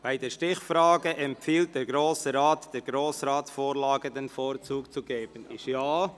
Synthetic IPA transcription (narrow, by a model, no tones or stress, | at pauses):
b̥aɪdɛʃtɪχfɾɑːɡəʔɛmpfiːlt̚d̥ɛːɾɡɾoːsəɾaːtd̥ɛːɾɡɾoːsɾɑːtsfoːɾlɑːɡəd̪ɛnfoːɾt͡suːkt͡suɡ̥eːb̥ənɪʃjaː